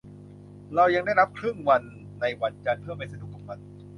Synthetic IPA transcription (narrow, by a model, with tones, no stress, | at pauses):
ɾa˧wja˧ŋda˥˩jɾa˦˥p̚kʰɾɯ˥˩ŋwa˧nː | a˧jwa˧nt͡ɕa˧npʰɯ˥˩ɐpa˧nsa˧du˨˩k̚ːa˨˩wa˧n